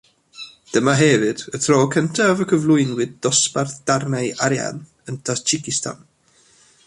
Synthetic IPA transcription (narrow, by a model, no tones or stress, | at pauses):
d̥əmaɦɛvɨd̥ətʰroːkʰəntʰavəkʰəvlˠʊɨnwɨd̚dɔsparθd̥arnajaɾja̰n | əntʰast͡ʃʰɪkɪsta̰n